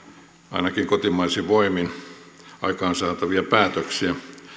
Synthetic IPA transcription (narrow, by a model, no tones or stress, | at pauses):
ɑ̰inɑkiŋkot̪imɑisiʋoimin | ɑ̰ikɑːnsɑːt̪ɑʋiɑpæːt̪øksiæ